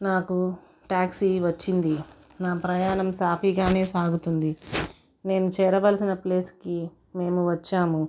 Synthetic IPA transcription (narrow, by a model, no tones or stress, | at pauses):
naːku | ʈaːksiʋɐt͡ʃːind̪i | naːpɾɐjaːnɐmsaːpʰiːɡaːne̞ːsaːɡut̪und̪i | ne̞ːnut͡ʃɛːɾɐʋɐːlsinɐple̞ːski | me̞ːmuʋɐt͡ʃːaːmu